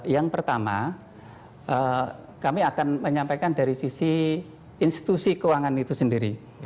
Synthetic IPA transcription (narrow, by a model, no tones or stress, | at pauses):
jaŋpərt̪ama̰ | ʔə | kamiakanməɲampakandaɾisisi | inst̪i̥t̪usikəwaŋanit̪usəndiɾi